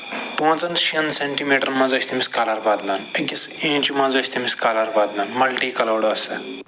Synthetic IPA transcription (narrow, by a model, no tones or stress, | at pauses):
põːt͡sɐnʃiɐnseɳʈimeːʈɐɾmɐ̃zoːsʰʲt̪ʰimiskaːlɐɾbaːd̪nɐnɐkʲisẽːt͡ʃumãzosʰʲt̪ʰimiskaːlɐɾbaːd̪nanmɐlʈiːkɐloːɽɐsɨ